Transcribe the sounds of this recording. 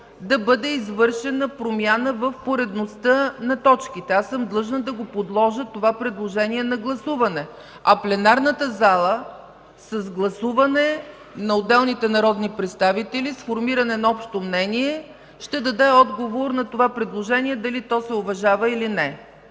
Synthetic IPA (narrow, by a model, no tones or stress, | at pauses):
d̪ɐbɤd̪ɛizvɤɾʃɛnəpɾomʲjanəvəfpoɾɛd̪nost̪ənɐt̪ɔt͡ʃk̟it̪ɛasɤmd̪lˠɤʒnəd̪ɐɡopod̪lˠɔʒət̪ovapɾɛd̪lˠoʒɛniɛnɐɡlˠɐsuvɐnɛ | ɐplɛnaɾnət̪əzalˠə | səzɡlˠɐsuvɐnɛ | nɐod̪ɛlˠnit̪ɛnɐɾɔd̪nipɾɛt̪st̪avit̪ɛlisfoɾmiɾɐnɛnɐɔpʃt̪omnɛniɛ | ʃt̪ɛd̪ɐd̪ɛɔd̪ɡovoɾnɐt̪ovapɾɛd̪lˠoʒɛnʲiɛd̪ɐlit̪ɔsɛovɐʒavəilinɛ